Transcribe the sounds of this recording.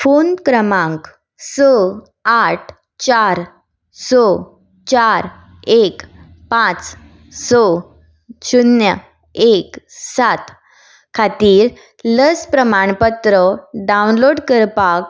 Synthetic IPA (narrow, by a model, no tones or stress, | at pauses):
fonkɾəmãŋk | sɔ | aʈʰ | t͡ɕaɾ | sɔ | t͡ɕaɾ | ek | pãt͡s | sɔ | ɕunjə | eksat̪ | kʰat̪iːɾ | ləspɾəmaɳpət̪ɾəɖawnloɽkəɾpak